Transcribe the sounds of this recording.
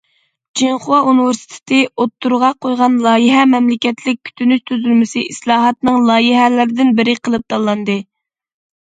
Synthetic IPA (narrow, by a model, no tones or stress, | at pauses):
d͡ʒiŋχʊwɑunɪvɪɾsɪ̥t̪ʰɪ̥t̪ʰɪot̪ʰːuɾʁɑqʰojʁɑnlˠɑːjiɦɛmɛmlɪkʲɛt̪lɪk̚ʲkʲʰy̥t̪ʰynyʃt̪ʰyzylmɪsɪislˠɑːɦɑt̪nɨŋlˠɑːjiɦɛlɪɾɪd̪ɪnbɪɾɪqʰəlˠɨp̚t̪ɑlˠːɑnd̪ɨ